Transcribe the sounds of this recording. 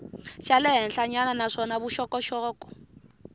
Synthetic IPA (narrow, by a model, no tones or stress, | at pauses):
ʃalɛɦɛnɬaɲananaʂɔnaβuʃɔkɔʃɔːkʼɔ̥